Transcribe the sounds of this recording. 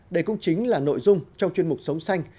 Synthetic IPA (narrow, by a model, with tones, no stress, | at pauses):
ɗe˧˩kʊ̰˧˥ŋ͡mt͡ɕï˨˦ŋ̟laː˨˩no̰˧˨jzʊ˧ŋ͡mt͡ɕɔ˧ŋ͡mt͡ɕwi˧ənmʊ˨˩k͡p̚sə˨˦wŋ͡msa˧jŋ̟